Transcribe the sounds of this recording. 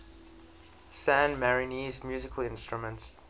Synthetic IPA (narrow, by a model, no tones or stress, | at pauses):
sæ̃nmɛɹɪnizmjʉːzɪkʰəlɪ̃nstɹ̥əmə̃nts